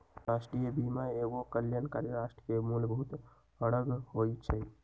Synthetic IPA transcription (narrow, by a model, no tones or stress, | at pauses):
ɾasʈɾijəbimaeɡokəljankaɾjəɾasʈəkemulbʱɦut̪ | əɽəɡhojt͡ʃʰɛ